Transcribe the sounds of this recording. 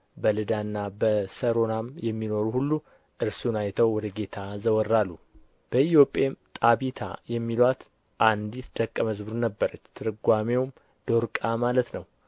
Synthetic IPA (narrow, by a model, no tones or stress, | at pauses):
bəlɨd̪anːabəsəɾo̞namjɛmːino̞ɾuhulːu | ʔɨɾsunajt̪ʰəwwɔd̪əɡe̞t̪ʰazəwɔrːalːu | b̥əit̪jo̞pʼːemt̪ʼaβit̪ʰa̰jɛmːilwat̪ | ʔand̪it̪d̪̥əkʼːəməzbɨɾunəbːəɾət͡ʃːt̪ʰɨɾɨɡʷamewm | d̪̥oɾkʼamalət̪nəw